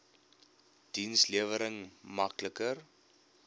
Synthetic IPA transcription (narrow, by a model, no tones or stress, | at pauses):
d̥insliəvəɾəŋmɐkləkər